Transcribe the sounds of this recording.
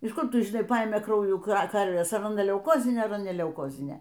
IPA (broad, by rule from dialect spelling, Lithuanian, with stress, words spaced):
ɪʃ ˈkʊr ˈtʊ ʒʲɪˈnɐɪ ˈpɐeːmʲeː ˈkrɐʊjuː ˈkɐrʲʋʲeːs ɐr ɐˈnɐ lʲɛʊˈkoːzʲɪnʲeː ɐr ɐˈnɐ nʲɛ lʲɛʊˈkoːzʲɪnʲeː